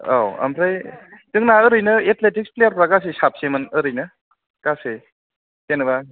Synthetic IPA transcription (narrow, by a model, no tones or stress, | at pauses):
a̰wa̰mɾajtɯŋnaɯɾɯjnɯetletik̚splejaɾpɾaɡas̬esap̚semɯnɯɾɯjnɯ | kase | tenɯba